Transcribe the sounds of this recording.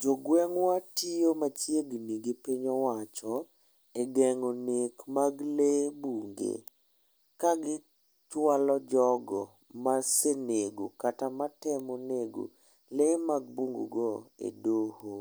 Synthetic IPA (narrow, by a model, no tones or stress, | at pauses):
d͡ʒɔɡwɛŋwatijomat͡ʃjeɡniɡɪpiɲɔwat͡ʃɔ | eɡɛŋonekmaɡlebuŋɡḛ | kaɡɪ | twalɔd͡ʒɔɡɔ | maseneɡokatamatɛmoneɡo̰ | lemaɡ̚buŋɡṵɡɔḛdoho